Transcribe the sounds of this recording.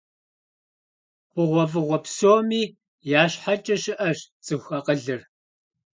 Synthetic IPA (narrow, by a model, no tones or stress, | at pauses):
χʷʊʁʷɔvɨʁʷɔpsoːmiː | jaːɕħat͡ʃʼɐʃɪʔɐʃt͡sʼɨxʷɐqəɮɨr